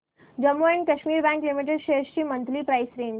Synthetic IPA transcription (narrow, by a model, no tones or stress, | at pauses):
d͡ʑəmːuaɳkəɕmiːɾbæ̃ŋklimiʈ̬eɖʃest͡ɕiːmənt̪liːpɾajsɾen